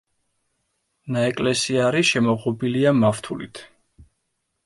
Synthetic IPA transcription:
naɛkʼlɛsiaɾiʃɛmɔʁɔbiliamaft̪ʰulḭt̪ʰ

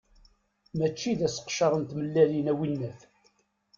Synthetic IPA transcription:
mæt͡ʃːiðæsə̥qʃɑɾˤənt̪məlːælinæwinːæθ

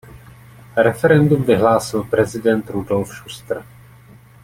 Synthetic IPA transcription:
ɾɛfɛɾɛndumvɪɦlaːsɪlpɾɛzɪdɛnt̪ɾudo̞lfʃust̪r̩

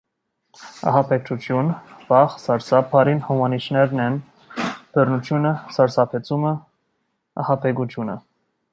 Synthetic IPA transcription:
ɑ̰ɦɑpʰɛk̚t͡ʃut̪ʰjunvɑχsɑɾsɑpʰɑɾinhɔmɑnit͡ʃnɛɾnɛn | b̥ərnut̪ʰjunəsɑɾsɑpʰɛt͡sumə | ɑ̰hɑpʰɛɡut̪ʰjunə̰

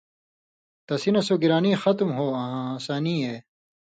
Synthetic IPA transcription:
t̪ɐsinɐsoɡiɾaːniːxɐt̪mɦoːɐɦãːsaːniːeː

